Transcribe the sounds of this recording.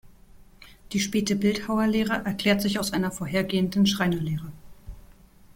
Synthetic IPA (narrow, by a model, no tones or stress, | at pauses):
d̥iːʃpɛːtəbɪlthaʊɐleːʁəʔɛɐkl̥ɛːɐtz̥ɪçaʊsʔaɪnɐfoːɐɦeːɐɡeːəndn̩ʃʁ̥aɪnɐleːʁə